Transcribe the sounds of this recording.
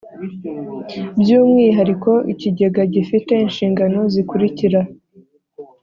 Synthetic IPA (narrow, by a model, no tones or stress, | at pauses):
bjuːmŋiːɦaɾiko̞ʔiciɟe̞ɡaɟifite̞inʃiːŋɡano̞zikuɾiciɾa